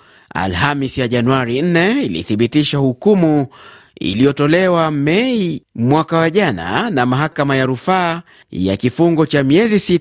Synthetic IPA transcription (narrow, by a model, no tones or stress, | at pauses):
a̰lhamisjaʄanuaɾin̩nɛilḭθiɓitiʃahukumu | ḭlijɔtɔlɛwamɛimwakawaʄana̰namaɦakamajaɾufaː | ja̰kifuŋɡɔt͡ʃamiɛzisit